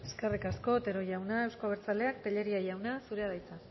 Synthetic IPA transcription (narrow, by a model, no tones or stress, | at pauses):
esskerikasko̞t̪e̞ɾo̞ʝawnae̞wskoβ̞eɾt͡sale̞ak̚t̪eʎe̞ɾiajawnasuɾe̞aðajt͡sa